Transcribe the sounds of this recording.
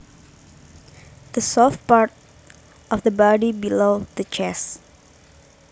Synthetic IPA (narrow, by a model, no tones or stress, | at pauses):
d̪̥əsɔf̚paɹt̚ | ʔɔfd̪əbɔdibilodət͡ʃɛs